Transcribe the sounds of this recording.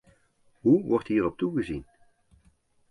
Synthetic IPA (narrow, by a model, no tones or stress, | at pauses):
ɦuʋɔɹtɦiːrɔp̚tuɣəzin